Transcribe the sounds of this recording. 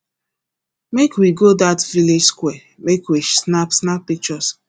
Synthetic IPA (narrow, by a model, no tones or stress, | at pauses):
mekwiɡodatviled͡ʒskwɛ | mekwisnapsnap̚ːik̚t͡ʃɔs